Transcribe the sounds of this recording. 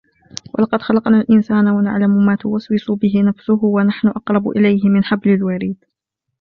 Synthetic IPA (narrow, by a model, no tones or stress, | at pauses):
wa̰lɑqɑd̪xɑlɑqnaːlʔɪnsaːnawana̰ʕlamʊmaːt̪ʊwaswɪsʊbɪɦɪnafsʊhʊwanaħnʊʔɑqɾˤɑbʔɪ̰lajɦɪmɪnħablɪlwaɾiːd̪